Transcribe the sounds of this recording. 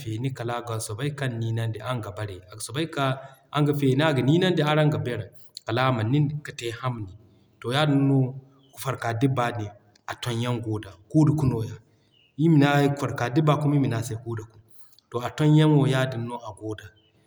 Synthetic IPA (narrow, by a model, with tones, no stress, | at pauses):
fe˨ni˦ka˨la˦ɡa˨so˨ba˦i˦ka˦nːiː˦na˦nde˨ʔa˦ŋɡa˨ba˨ɾe˨a˨ɡso˨ba˦ka˦a˦ŋɡa˨fe˨ni˦a˦ɡa˨ni˦na˦nde˦a˦ɾa˦ŋɡa˨be˦ɾa˨ | ka˨la˦ma˨nːi˦nka˨te˦ha˦m˨ni˨ | to˨ja˦di˨nːo˦ | ku̥˨fa˨ɾka˨di˦ba˨ni˨ | a˨to˦nja˦ŋɡoː˦da˨ku˦da˨ku˦no˨ja˦ | i˦mi˨na˦ku˨fa˨ɾka˨di˦ba˨ku˦mi˦mi˨na˨se˦ku˦da˨ku˦m | to˨a˨to˦nja˦nwo˨ja˦di˨nːo˦a˨ɡo˦da˨